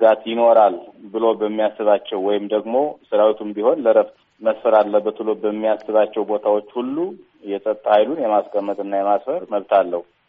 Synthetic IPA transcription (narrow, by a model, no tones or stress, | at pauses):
ɡat̪jɪno̞ɾalbɨlo̞bəmːijasːɨβat͡ʃːɛwːɔjɪmd̪əɡmo̞sɨɾawit̪ʰumbiho̞nləɾəft̪ | məsfəɾalːəbət̪bɨlo̞bəmːijasːɨβat͡ʃːɛwbo̞t̪ʰawo̞t͡ʃːhulːu | jɛsʼət̪ʼːahajlunjɛmaskʼəmːət̪ʼɨnːajɛmasfəɾməβt̪ʰalːəhu